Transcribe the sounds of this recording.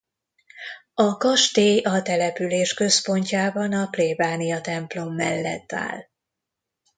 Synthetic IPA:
ɒkɒʃt̪eːɒt̪ɛlɛpyleːʃkø̞spo̞ɲcaːbɒnɒkleːbaːnijɒt̪ɛmplo̞mːɛ̰lːɛ̰t̪ːa̰ːl

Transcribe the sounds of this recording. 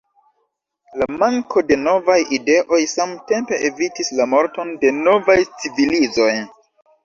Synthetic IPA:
lamaŋko̞de̞no̞vajide̞ʔo̞jsamte̞mpe̞ʔevitislamo̞ɾto̞nde̞no̞vajt͡sivilizo̞j

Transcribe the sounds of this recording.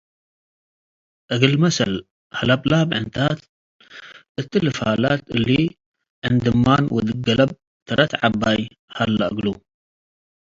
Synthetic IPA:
ʔɐɡɨlmɐsɐl | halablabʕɨnt̪ʰat̪ | ʔɨt̪ːilɨfalat̪ɨ̰li | ʕɨnd̪ɨmːanwɔd̪ɨɡɐlɐb̚ | t̪ʰɐɾʔɐt̪ʕabːaj | halːaʔɨɡlu

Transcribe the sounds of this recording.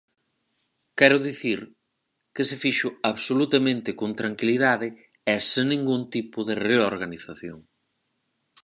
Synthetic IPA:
kɛɾʊðiθiɾ | kesɪfiʃʊaβsolut̪amẽnt̪ɪkont̪ɾaŋkiliðaðɪ | ɛseŋnĩŋɡunt̪ipʊðereoɾɣaniθaθjoŋ

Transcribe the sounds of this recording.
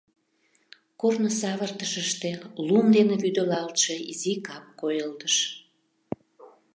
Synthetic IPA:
kornosɑβərt̪əʃəʃt̪elumd̪eneβyd̪ølɑlt̪ʃeizikɑp̚kojəlt̪əʃ

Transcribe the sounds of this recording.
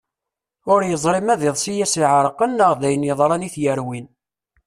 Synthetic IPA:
ʊɾjəzˤɾɪmæðɪðˤsijæsiʕɾˤəqənːəʁðæjənjəðˤɾˤɑniθjəɾwin

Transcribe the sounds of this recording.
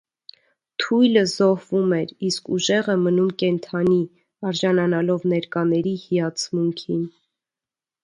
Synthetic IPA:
t̪ʰujləzɔhvumɛɾiskuʒɛʁəmənumkɛnt̪ʰɑni | ɑɾʒɑnɑnɑlɔvnɛɾkɑnɛɾihijɑt͡sʰmuŋkʰin

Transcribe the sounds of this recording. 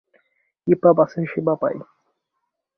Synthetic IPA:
ipabasinʃibapa̰j

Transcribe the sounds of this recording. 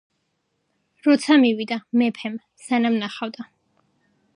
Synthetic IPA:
ɾɔt̪sʰamiwid̪amɛpʰɛm | sanamnaχavd̪a

